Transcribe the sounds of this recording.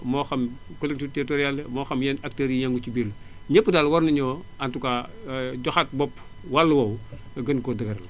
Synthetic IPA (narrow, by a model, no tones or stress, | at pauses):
mɔːxɐmkolek̚titeɾitoɾijalmɔːxɐmjɛnak̚teɾijaŋɡut͡ʃibil | ɲepːədaːlwɐɾnɐɲɔː | antukaɟɔxat̚bɔpː | walːɐwɐw | ɡɐnkɔdɐɡɐɾɐl